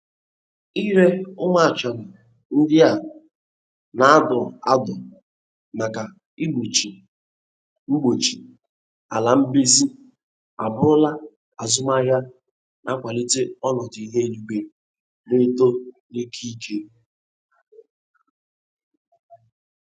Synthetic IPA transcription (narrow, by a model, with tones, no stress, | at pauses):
i˦ɾe˦ʊ˦ŋa˦a˨t͡ʃa˨nʊ˨ | n̩˦dɪ˦a˨ | na˨a˦dɔ˨a˦dɔ˨ | ma˨ka˨ | i˦ɡ͡bo˨t͡ʃi˨ | ŋ͡m̩˦ɡ͡bo˨t͡ʃi˨ | a˨la˨m̩˦bi˦zi˦ | a˨bʊ˦ɾʊ˦la˦ | a˨zʊ˦ma˦ɦja˦ | na˨˦kʷa˨li˦te˦ɔ˦nɔ˨di˨i˨ɦe˦lu˨ɡ͡be˨ | ne˦to˦ni˦kʰi˦i˦kʰe˦